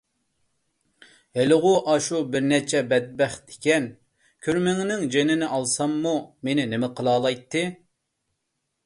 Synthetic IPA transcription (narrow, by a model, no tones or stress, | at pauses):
helɨʁʊʔɑʃubɪɾnɛt͡ʃʰɛbɛd̪̚bɛχd̪e̥kʲɛn | kʲʰyɾmɪŋnɪŋd͡ʒenɪnɪʔɑlˠsɑmːumenɪnɪmɪqʰəlˠɑːlˠɑjt̪ʰːɨ